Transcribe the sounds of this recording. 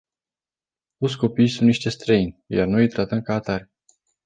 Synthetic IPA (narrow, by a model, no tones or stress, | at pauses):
t̪ot̪sʲko̞pijsunt̪niʃt̪e̞st̪ɾəinʲjarnojt̪ɾat̪əmkaːt̪arʲ